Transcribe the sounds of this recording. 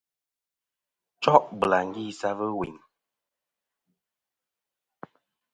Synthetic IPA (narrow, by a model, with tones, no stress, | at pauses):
t͡ʃɔ˦ʔbə˨la˨ŋ̩˦ɡi˦˨sa˦və˦wḭ˨ŋ